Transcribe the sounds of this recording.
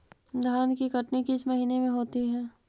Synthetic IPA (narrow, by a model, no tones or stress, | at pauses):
d̪ʱaːnkikɐʈnikiɪsʰmɐɦiːnemẽɦoːt̪iɦɛː